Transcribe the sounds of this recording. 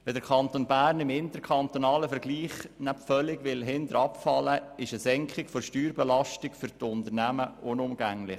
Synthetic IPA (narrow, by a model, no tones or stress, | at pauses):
ʋɛdəɾkʰɑnt̪onbæːɾnɪmɪnt̪əɾkʰɑnt̪onɑːləfəɾɡliːχnæpfœlːɪɡʋɪlɦɪnd̪əɾɑpfɑlːəɪʃəsɛŋkχɪkfɔʃtyːɾbɛlɑʃtɪkfʏɾtʊnd̪əɾnæməʊnʊmɡ̥æŋlɪχ